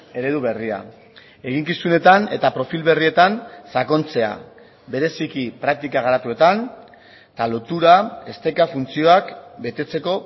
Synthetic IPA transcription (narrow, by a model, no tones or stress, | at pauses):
e̞ɾe̞ðuβe̞ria̰ | e̞ɣiŋkisune̞t̪ane̞̰t̪apɾo̞filβe̞rie̞t̪ansako̞nt͡se̞a̰ | be̞ɾe̞sikipɾak̚t̪ikaɣ̞aɾat̪ue̞t̪an | t̪alo̞t̪uɾae̞st̪e̞kafunt͡sio̞akbe̞t̪e̞t͡se̞ko̞